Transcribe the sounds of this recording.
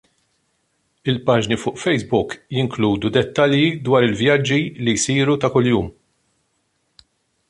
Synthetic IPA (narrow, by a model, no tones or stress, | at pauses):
ɪlpɐːd͡ʒnifʊːʔfɛjsbʊkjɪŋkluːd̪ud̪ɛt̪ːɐljid̪wɐːɾɪlvjɐd͡ʒːilijsiːɾut̪ɐkʊljuːm